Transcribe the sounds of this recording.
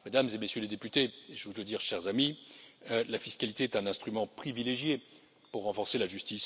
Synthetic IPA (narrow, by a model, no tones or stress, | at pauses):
med̪amzemesjøled̪epyt̪eeʒəvuləd̪iʁʃɛʁzami | lafiskalit̪eɛt̪ɛ̃nɛ̃st̪χymɑ̃pχivileʒje | puʁːɑ̃fɔʁselaʒyst̪is